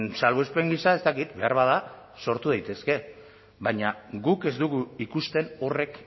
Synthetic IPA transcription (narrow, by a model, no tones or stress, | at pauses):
nsalβoespe̞ŋɡisae̞st̪akit̪be̞aɾβaða | so̞ɾt̪uðejt̪e̞ske̞ | βaɲaɡuke̞zd̪uɣuikust̪e̞no̞re̞k